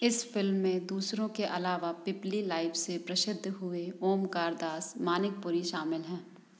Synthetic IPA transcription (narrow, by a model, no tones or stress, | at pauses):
ɪsfɪlmːẽd̪uːsɾõkeʔɐlaːʋapɪplilaːɪfsepɾɐʃɪd̪ʱːɦʊeoːmkaːɾd̪aːsmaːnɪk̚pʊɾiʃaːmɪlɦɛ̃ː